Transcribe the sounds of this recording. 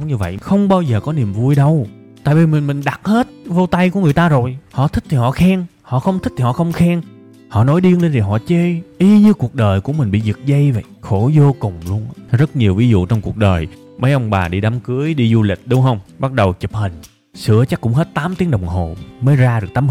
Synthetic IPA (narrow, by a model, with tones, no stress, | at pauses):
ŋ͡mɲɨ˧və̰˧˨jʔxə˧wŋ͡mɓaː˧wzəː˨˩kɔ˨˦ni˨˩əmvu˧jɗə˧w | t̪a̰ː˧˨jvi˨˩mi˨˩ŋ̟mï˨˩ŋ̟ɗa˨˩t̚he˦˥t̚vo˧t̪a˧jku˧˩əŋɨ˨˩əjt̪aː˧zo˨˩jhɔ̰˧˨t̪ʰï˦˥k̚t̪ʰi˨˩hɔ̰˧˨xɛ˧ŋhɔ̰˧˨xə˧wŋ͡mt̪i˦˥k̚t̪ʰi˨˩hɔ̰˧˨˧xə˧wŋ͡mxɛ˧ŋ | hɔ̰˧˨nɔ˨˦jɗi˧ə˧ŋɗe˧nzʰi˨˩ɦɔ̰˧˨t͡ɕe˧ʔi˧ɲɨ˧ku˨˩ək̚ɗəː˨˩jku˧˥əmï̟˨˩ɓḭ˧˨zɨ˨˩t̚zə˧jvə̰˧˨jxo˧˩zo˧kʊ˨˩ŋ͡mlu˧ənzə˦˥t̚ɲi˨˩əwvi˨˦zṵ˧˨t͡ɕɔ˧wŋ͡mku˨˩ək̚ɗəː˨˩j | mə˨˦jʔə˧wŋ͡mɓaː˨˩ɗi˧ɗa˨˦mkɨ˨˦əjɗi˧zu˧lï˨˩k̟̚ɗʊ˨˦ŋ͡mhə˧wŋ͡mɓa˦˥t̚ɗə˨˩wt͡ɕi˨˩p̚hi˨˩ŋ̟ | sɨ̰˧˩ət͡ɕa˦˥kːʊ̰˧˥ŋ͡mɦe˦˥t̚t̪aː˨˦mt̪i˨˦əŋɗə˨˩wŋ͡mɦo˨˩məː˨˦jzaː˧ɗɨ˨˩ək̚t̪aː˨˦m